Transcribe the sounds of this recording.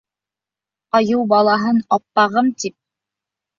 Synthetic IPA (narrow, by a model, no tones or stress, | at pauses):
ɑjɤwbɑlˠɑɦɤnɑpːɑʁɤmt̪ip̚